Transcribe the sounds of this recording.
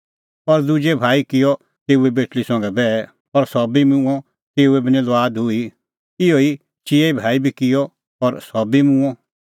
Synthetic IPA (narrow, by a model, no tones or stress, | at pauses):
ɔɾd̪ʊd͡ʒebʱaːikɪjɔ | t̪eːuɛbeːʈlisɔ̃ŋɡɛbɛ | ɔɾsɔbimũɔ̃ | t̪eːuɛbinĩlɔaːd̪ɦʊi | ɪoːi | t͡ʃijeibʱaːibʱikɪjɔ | ɔɾsɔbimũɔ̃